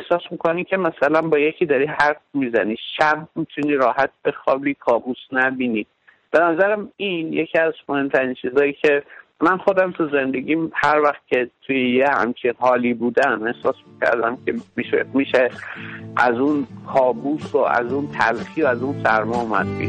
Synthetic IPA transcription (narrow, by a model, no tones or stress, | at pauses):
ehsɒːsmikʰonicʰe̞mæsælænbɒːjecʰiːd̪ɒɾihæɾfmizæniːʃæbmit̪ʰuniːɾɒːhæt̪̚bexɒːbiːkʰɒːbusnæbiːniː | b̥enæzæɾæminjecʰiæzmohe̞mt̪ʰæɾiːnt͡ʃʰiːzɒːjicʲʰe̞mænxo̞d̪æmt̪ʰuze̞nd̪e̞ɟʲiːmhæɾvæxt̪̚cʲʰe̞t̪ʰujejehæ̰mt͡ʃʰinhɒːliːbuːd̪æme̞hsɒːsmicʰæ̰ɾd̪æmcʰemiʃḛmiʃeʔæzunkʰɒːbuːsoæ̰zunt̪ʰæ̰lxiːoæzunsæɾmɒːumæ̰d̪ḭ